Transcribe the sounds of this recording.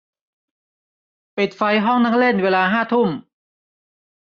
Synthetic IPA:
pi˨˩t̪̚fa˧jɦɔ˥˩ŋna˥˩ŋle˥˩nweː˧laː˧ɦaː˥˩t̪ʰu˥˩m

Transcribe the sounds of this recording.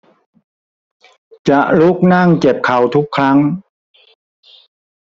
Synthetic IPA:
t͡ɕa˨˩ʔlu˦˥˩k̚na˥˩ŋt͡ɕe˨˩p̚kʰa˨˩wt̪ʰu˦˥kʰːɾa˦˥ŋ

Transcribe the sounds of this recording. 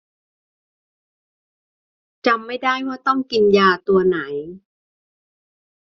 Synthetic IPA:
t͡ɕa˧mːa˥˩jdaː˥˩jma˥˩t̪ɔ˥˩ŋki˧njaː˧t̪u˧ɐna˩˦j

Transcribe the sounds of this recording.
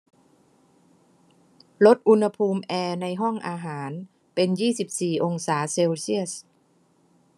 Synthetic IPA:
lo˦˥t̪̚ʔu˧nha˧pʰuː˧mʔɛː˧na˧jɦɔ˥˩ŋʔaː˧ɦaː˩˦n | pe˧njiː˥˩si˨˩p̚siː˨˩ʔo˧ŋsaː˩˦se˧wsi˥˩əs

